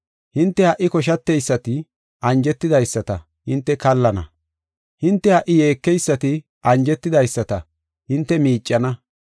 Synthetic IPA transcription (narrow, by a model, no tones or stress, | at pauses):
hɪnt̪ːɛhɐʔːɪkɔʃ̬ɐt̪ːɛjsːɐt̪ɪ | ʔɐnd͡ʒɛt̪ːɪd̪ɐjsːɐt̪ɐ | hɪnt̪ːɛkɐlːɐnɐ̰ | hɪnt̪ːɛhɐʔɪjeːkːɛjsːɐt̪ɪ | ʔɐnd͡ʒɛt̪ːɪd̪ɐjsːɐt̪ɐ | hɪnt̪ːɛmiːt͡ʃʼːɐnɐ